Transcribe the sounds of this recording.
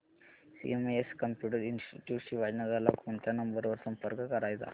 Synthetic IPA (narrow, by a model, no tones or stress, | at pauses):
sḭemeeskəmpjuʈ̬əɾinsʈiʈjuːʈɕiːʋad͡ʑnad͡zʱalakoɳt̪ʰjanəmbəɾʋəɾsəmpəɾkəkəɾajt̪a̰